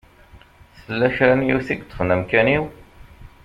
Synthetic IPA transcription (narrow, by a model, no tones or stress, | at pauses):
səlːæçɾænjiθiɡt͡s̪ːə̥fnəmkæniw